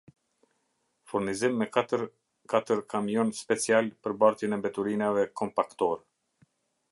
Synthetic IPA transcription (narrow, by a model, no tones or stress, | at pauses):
fuɾnizimːɛkɾ | kat̪əɾkamjɔnspɛt͡sialpəɾbaɾt̪jɛnɛmbɛt̪uɾinavɛkɔmpakt̪ɔɾɛ